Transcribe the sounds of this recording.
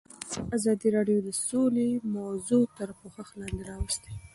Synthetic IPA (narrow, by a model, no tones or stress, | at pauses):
azɑd̪iɾɑɖjod̪əsolemawzot̪əɾpoxaxlɑnd̪eɾɑwəst̪e̥